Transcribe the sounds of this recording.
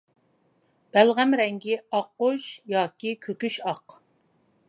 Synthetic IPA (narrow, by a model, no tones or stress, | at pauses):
b̥ælʁæmɾɛŋɡʲiɑqːoʃjɑːkʲikʲʰøkʲyʃɑq